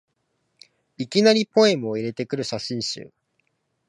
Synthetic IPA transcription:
ikʲinaɾʲipo̞e̞mɯo̞iɾe̞t̪e̞kɯ̟ɾɯ̟ɕaɕĩɰ̃ɕɨ̰ː

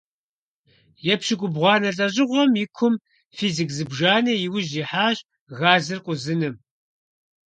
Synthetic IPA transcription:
jɛpʃɪɡʷʼʊbʁʷɑːnɐɬʼɐʑʼɪʁʷɔmjɪkʷʰʊm | fiːzikzɨbʒaːnɐjɪwʊʑiħaːɕ | ɣaːzɨrqʷʼʊzɨnɨm

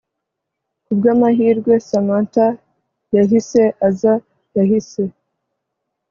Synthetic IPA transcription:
kubɡaːmaɦiːɾɡwe̞samanta | jaɦise̞ʔaza | jahise̞

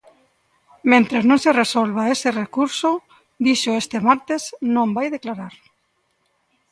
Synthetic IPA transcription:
mẽnt̪ɾeznõŋseresolβ̞aeserekuɾso | d̪iʃoest̪emaɾt̪esnõmbajðeklaɾaɾ

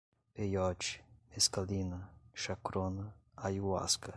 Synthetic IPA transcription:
pejɔt͡ʃmeskalinaʃakɾonaajua̰ska

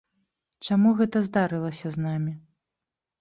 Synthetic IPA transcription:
t͡ʂamuɣɛt̪ɐzd̪aɾɨlˠɐsʲɐznamʲi

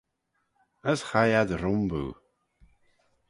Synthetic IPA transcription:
əsχajadɾʊmbṵ

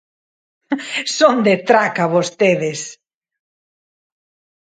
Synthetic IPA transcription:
sond̪et̪ɾakaβost̪eðɪs

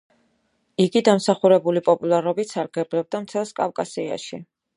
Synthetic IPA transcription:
iɡid̪amsaχuɾɛbulipʼɔpʼulˠaɾɔbit̪saɾɡɛblɛb̚d̪amt̪ʰɛlˠskʼa̰fkʼasia̰ʃi

